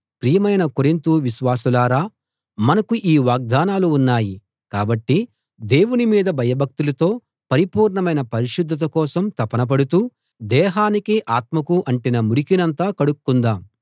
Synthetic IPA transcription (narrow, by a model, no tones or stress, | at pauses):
pɾijɐmɐjnɐkoɾint̪uʋiʃʋaːsulaːɾaː | mɐnɐkuʔiːʋaːɡ̚d̪aːnaːluːnːaːji | kaːbɐʈːi | d̪e̞ːwunimiːd̪ɐbʱɐjɐbʱɐk̚t̪ulɐt̪o̞ː | pɐɾipuːɾɳɐmɐjnɐpɐɾiʃud̪ʱːɐt̪̬ɐkɔːsɐmt̪ɐpɐnɐp̬ɐɽut̪uː | d̪ɛːɦaːnikiʔaːt̪mɐkuʔɐɳʈinɐmuɾikinɐnt̪aːkɐɽukːund̪aːm